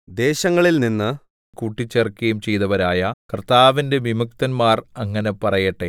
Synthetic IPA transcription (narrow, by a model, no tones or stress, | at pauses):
d̪e̞ːɕɐŋːɐɭilninːɨ | kuʈːit͡ɕːerkːɐjumt͡ɕe̞jt̪ɐʋɐɾaːjɐkɐrt̪aːʋinde̞ʋimuk̚t̪ɐnmaːrɐŋːɐne̞pɐrɐjɐʈːe